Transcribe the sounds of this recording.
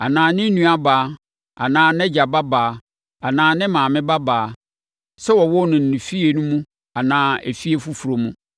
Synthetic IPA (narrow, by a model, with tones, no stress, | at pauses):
a˨nãː˨nɪ̃˦nũ˦a˨baː˨˦ | a̰˨nãː˦nɛ̃˦d͡ʑa˨ba˦baː˨˦ | a˨nãː˨˦nɪ̃˦mãː˨mɪ̃˦ba˦baː˨˦˨ | sɛ˦wɔ˨wɔ˦nʊ̃˨n̩˨nĩ˨fi˦e˨nũ˦mũ˦ | a˨nãː˦e˨fi˦e˨fu˦fu˨ɾo˨mũ˦